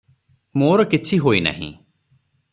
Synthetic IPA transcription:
moːɾkɪt͡ʃʰiɦoːina̰ːɦḭ̃ː

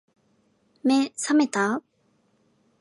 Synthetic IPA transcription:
mesʰamet̪ap̚

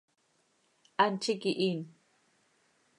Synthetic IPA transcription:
antʰikiʔin

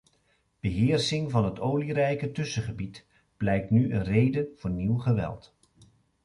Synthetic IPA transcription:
b̥əɦɪːɹsɪŋvɑnɦətoːwlirɛjkətɵsəχəbit | b̥lɛjk̚tnyʔənrejdəv̥ʊːɹniwχəʋɛ̰lˠt

